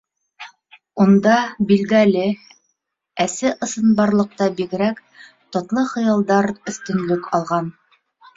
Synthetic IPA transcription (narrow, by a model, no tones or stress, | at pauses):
und̪ɑbilɡælɘ | æsɘʔɤ̆sɤ̆nbɑɾlˠɤ̆q̚t̪ɑbiɡɘ̆ɾæk | t̪ŏt̪lˠɤχɤ̆jɑlˠd̪ɑɾɵ̆θt̪ɵ̆nlɵkɑlˠʁɑn